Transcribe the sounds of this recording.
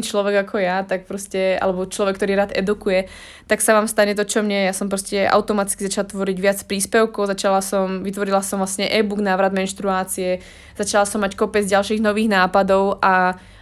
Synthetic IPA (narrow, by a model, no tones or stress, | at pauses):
it͡ʃlɔʋɛɡakʰɔjat̪ak̚pɾɔscɛa̰lɛbɔt͡ʃlɔʋɛkːt̪ɔɾiːɾaːd̪ɛ̰d̪ukujɛ | t̪aksaʋaːmst̪aɲɛt̪̬ɔt͡ʃɔmɲɛjjasɔmpɾɔscɛʔa̰ʊt̪ɔmat̪i̥t͡skizat͡ʃalat̪ʋɔɾiɟʋɪat͡spɾiːspɛʊkɔʊzat͡ʃalasɔmʋit̪ʋɔɾilasɔmʋlasɲɛʔɛbuɡnaːʋɾad̪mɛnʃt̪ɾuaːt͡siɛ | z̥at͡ʃalasɔmːackɔpɛd͡zɟalʃiːɣnɔʋiːɣnaːpad̪ɔʊʔa